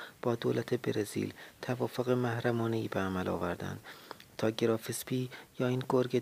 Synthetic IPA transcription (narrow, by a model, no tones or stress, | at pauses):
b̥ɒːd̪oːlæt̪ʰebeɾezḭlt̪ʰævɒːfoɣemæhɾæmɒːneiːbeæmælɒ̰ːvæɾd̪æ̰nd̪̥t̪ʰɒːɟeɾɒːfespʰiːjɒːiːnɡoɾɟe